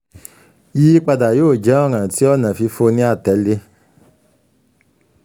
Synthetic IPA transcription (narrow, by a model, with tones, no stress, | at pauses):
ji˦k͡pa˧da˨joː˦˨d͡ʒɛ˨˦ɔ˦˨ɾ̃ã˨ti˨˦ɔ˦˨nã˨fi˧fo˧nĩ˦a˦˨tɛ˨˦le˧˦